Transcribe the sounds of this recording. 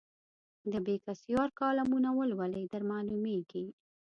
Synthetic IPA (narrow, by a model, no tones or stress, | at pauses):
d̪əbekasjɑɾkɑlamunawəlwalejd̪aɾmɑlumeɡi